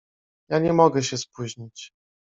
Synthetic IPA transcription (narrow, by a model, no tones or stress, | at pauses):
jaɲɛmɔɡɛɕɛspuʑɲit͡ɕ